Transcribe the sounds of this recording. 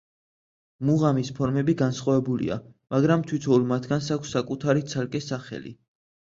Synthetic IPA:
muʁamispʰɔɾmɛbiɡansχwavɛbulḭa̰maɡɾamt̪ʰwit̪ʰɔulmat̪ʰɡans̬akʷʰsːakʼut̪ʰaɾit̪sʰalkʼɛsaχɛ̰lḭ

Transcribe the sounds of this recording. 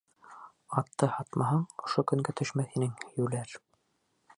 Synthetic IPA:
ɑt̪ːɤhɑt̪mɑɦɑɴŏʃokɵ̆ŋɡæt̪ʰɵ̆ʃmæθhinɘŋjʉlæɾ

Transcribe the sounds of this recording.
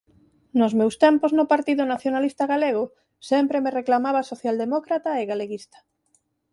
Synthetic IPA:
nʊzmewst̪ɛmpoznʊpaɾt̪iðʊnaθjonalist̪aɣaleɣʊ | sɛmpɾemereklamaβasoθjald̪emɔkɾat̪aeɣaleɣist̪ɐ̥

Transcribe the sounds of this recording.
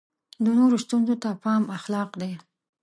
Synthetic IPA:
d̪ənoɾost̪unzot̪apɑmaxlɑqd̪e

